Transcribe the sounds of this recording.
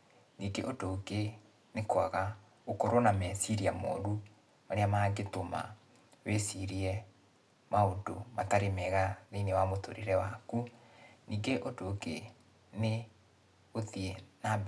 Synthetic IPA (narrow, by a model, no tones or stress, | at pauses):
niːɡeʔodoɡe | nekwaɣa | okɔɾonamɛsiɾiamɔ̰ːɾu | aɾeamaɡetoma̰ | wesiɾiɛ | maodo̰mataɾemɛɣaðenewamoto̰ɾeɾɛwakuniːɡeʔodoɡe | ne | oðiena